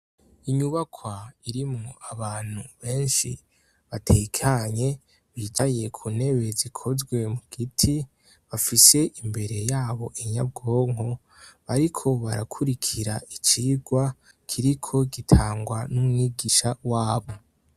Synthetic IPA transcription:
iɲuβakʰwaiɾimŋoaβaːn̥huβe̞ːnʃi | βatʰekʰaɲe̞ | βit͡ʃaje̞kʰune̞βe̞zikʰo̞zɡwe̞muɡ̥itʰi | βafise̞ʔimbe̞ɾe̞jaːβo̞ʔeɲab̚ɡo̞ːŋ̥ɦo̞ | βaɾikʰo̞βaɾakʰuɾikʰiɾaʔit͡ʃiːɡwa | kʰiɾikʰo̞ɡitʰaːŋɡwanumŋiɡiʃawaːβo̞

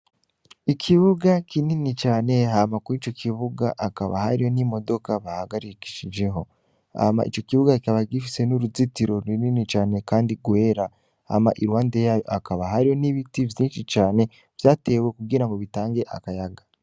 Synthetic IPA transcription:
ikʰiβuɡakininit͡ʃaːne̞ɦamakuit͡ʃo̞kʰiβuɡaʔaka̰βa̰haɾiho̞nimo̞do̞kaβahaɡaɾiki̥ʃid͡ʒe̞ɦo̞ | a̰ma̰ʔḭt͡ʃo̞kiβuɡaikaβaɡifise̞nuɾuzitiɾo̞ɾwininit͡ʃaːne̞kaːndiɡwe̞ːɾa | ha̰ma̰ʔiɾwaːnde̞jaːjo̰ʔakaβaɦaɾiho̞niβitivjiːnʃit͡ʃaːne̞ | v̥jaːte̞we̞kuɡiɾaŋɡo̞βitaːŋɡe̞ʔa̰kajaɡa

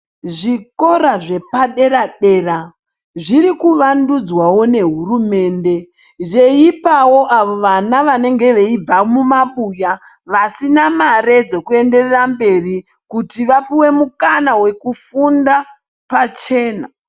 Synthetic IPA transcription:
ʐiko̞ɾaʐe̞paɗe̞ɾaɗe̞ːra | ʐiɾikuʋandud͡zwawo̞ne̞ɦurume̞ːnde̞ | ʐe̞ipawo̞ʔaʋo̞ʋanaʋane̞ŋɡe̞ʋe̞ib͡vamumaɓuja | ʋasinamare̞d͡zo̞kue̞nde̞rerambe̞ri | kutiʋapiwe̞mukanawe̞kufunda | pat͡ʃe̞ːna

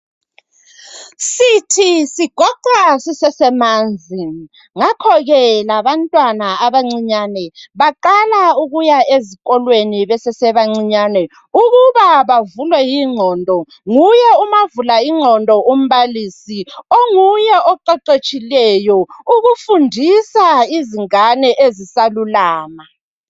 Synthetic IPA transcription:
sitʰisiɡ̥ʱɔǃasisɛsɛmaːnd͡zʱi | ŋakʰɔɣɛlaβantʼwanaaβaŋ͡ǀiɲaːnɛβaǃalauɣujaeziɣɔlweniβɛsɛsɛβaŋ͡ǀiɲanɛ | uɣuβaβavulwɛjiŋ͡ǀʱɔndʱɔ | ŋujɛumavulaiŋ͡ǀʱɔndʱɔʔom̩βaliːsioŋujɛʔɔǃɛǃet͡ʃʼilɛjɔuɣufundʱisaiziŋanɛʔezisalulaːma

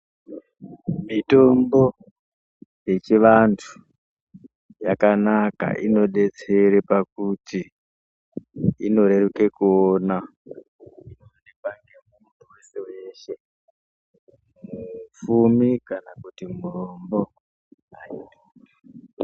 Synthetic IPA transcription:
mito̞mbo̞ | je̞t͡ʃiʋantʰu̥ | jakanaka̰ʔino̞ɗe̞t͡se̞ɾepak̚uti | ino̞ɾe̞ruke̞kuona | inonepaŋɡe̞mumuntʰuwe̞sewe̞ːʃe̞ | mmufumikanakutimurombo̞ | ainoa

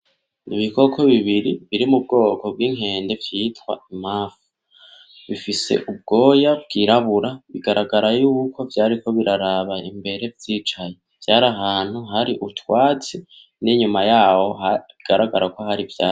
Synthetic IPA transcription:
niβiko̞kʰo̞βiβiɾiβiɾimub̚ɡo̞ːkʰo̞b̚ɡiːŋ̥ɦe̞ːnde̞vjiːtwa̰im̥aːfu̥ | βifise̞̰ʔub̚ɡo̞ːjab̚ɡ̥iːɾaβuɾaβiɡaɾaɡaɾajuːkʰo̞vjaːɾiko̞βiɾaɾaβaimbe̞ɾe̞vjiːt͡ʃaje̞vjaːɾaɦaːn̥huɦaɾiʔutwaːt͡si | niɲumajaːho̞ɦaβiɡ̥aɾaɡaɾako̞ɦaɾivjaː

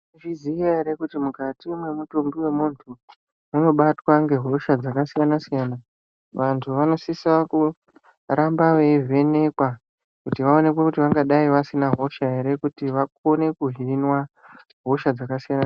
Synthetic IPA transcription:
ʐizijaeɾekutimukatimwe̞mutombiwe̞muntʰu | uno̞ɓatwaŋɡe̞ɦo̞ʃad͡zakasijanasijaːna | ʋantʰuʋano̞sisaku | rambaʋe̞vʱe̞ne̞kwa | kutiʋao̞ne̞kwekutiʋaŋɡaɗaiʋasinaɦo̞ʃaɦeɾe̞kutiʋako̞ne̞kuɦinwa | ɦo̞ʃad͡zakasijana

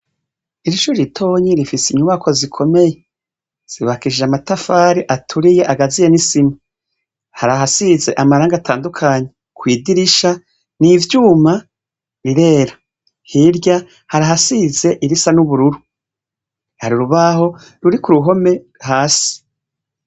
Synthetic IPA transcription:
iɾiʃuːɾiɾitʰo̞ːɲiɾifisiɲuβakʰo̞zikʰo̞me̞je | z̥iβakiʒeamatafaːɾiʔatʰuɾijeʔaɡazijenisimu | haɾaɦasize̞ʔamaɾaːŋɡatʰaːndukʰaːɲe | kwiːdiɾiʃa | nivjuːma | βiɾe̞ːɾa | hiɾɟa | haɾaɦasize̞ʔiɾisanuβuɾuɾu | haɾiɾuβaho̞ | ɾuɾikuɾuɦo̞me̞ | haːsi̥

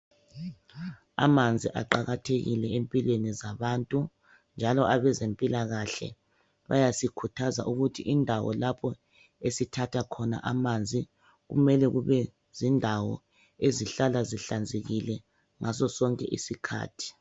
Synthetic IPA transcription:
a̰mand͡zʱiʔa̰ǃaɣatʰeɣḭlɛempʼilwenizaβantʼu | nd͡ʒʱalɔʔaβɛzempʼilaɣaɬɛ̰ | βajasikʰutʰaza̰ʔuɣutʰiʔindʱawɔ̰lapʰɔ | esitʰatʰakʰɔna̰ʔamand͡zʱi | ɣṵmɛlɛɣuβɛ | zindʱawɔ̰ | eziɬalaziɬand͡zʱeɣilɛ | ŋʔasɔsɔŋkʼɛ̰ʔḭsikʰa̰ːtʰi̥

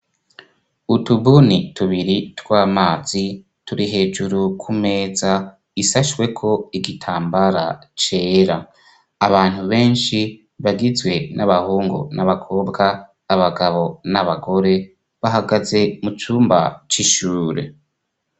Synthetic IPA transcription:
utubunituβiɾitwaːmaːzi | tuɾiɦe̞ːd͡ʒuɾukʰume̞ːza | isaʃwe̞kʰo̞iɡitʰaːmbaɾa̰t͡ʃe̞ːɾaː | βaːn̥huβe̞ːnʃi | βaɡizɡwe̞nʔaβahuːŋɡo̰naβakʰo̞ːbɡaː | βaɡaβo̞naβaɡo̞ɾe̞ | βaɦaɡaze̞mut͡ʃuːmba̰t͡ʃiʃuːɾe̞̰

